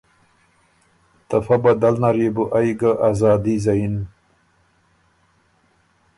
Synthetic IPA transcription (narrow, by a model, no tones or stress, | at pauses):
t̪ɐfɐbɐd̪ɐlnɐɾibuʔajɡaʔaːzɑːd̪izɐin